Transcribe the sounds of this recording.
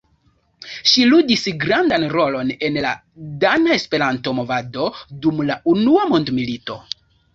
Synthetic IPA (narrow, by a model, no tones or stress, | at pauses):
ʃiludisɡɾandanɾo̞lo̞ne̞nla̰ | danae̞spe̞ɾanto̞mo̞vado̞dumlaʔunuamo̞ndmilito̞̰